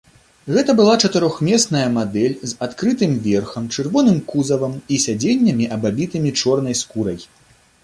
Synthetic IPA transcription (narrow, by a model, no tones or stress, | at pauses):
ɣɛt̪ɐbɨlˠat͡ʂɐt̪ɨɾɔxmʲɛsnɐjɐmad̪ɛlʲzat̪kɾɨt̪ɨmvʲɛrxɐmt͡ʂɨrvɔnɨmkuzɐvɐmisʲad͡zʲenʲːɐmʲiʔɐbabʲit̪ɨmʲit͡ʂɔrnɐjskuɾɐj